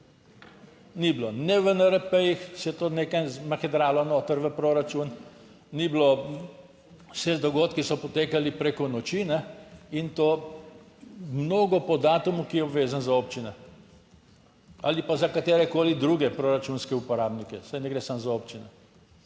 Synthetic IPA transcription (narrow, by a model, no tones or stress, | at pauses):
niblonɛʋənəɾəpəjixsɛt̪oːnekajmɐxɛd̪ɾaːlɔnoːt̪əɾʋəpɾoɾat͡ʃun | niblo | sɛd̪ɔɡoːt̪kisɔpɔt̪eːkalipɾekɔnɔt͡ʃinɛint̪oː | mnoːɡɔpɔd̪aːt̪umukijɛɔbʋeːzanzaoːp̚t͡ʃinɛ | alipazakat̪eːɾɛkoːlid̪ɾuɡɛpɾoɾat͡ʃunskɛupɔɾaːbnikɛsajnɛɡɾesamzaopt͡ʃinɛ̰